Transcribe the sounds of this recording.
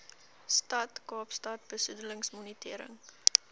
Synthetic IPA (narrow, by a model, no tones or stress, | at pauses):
stɐtkɑːpstɐt̚b̥əsudələŋsmɔnitiəɾə̰ŋ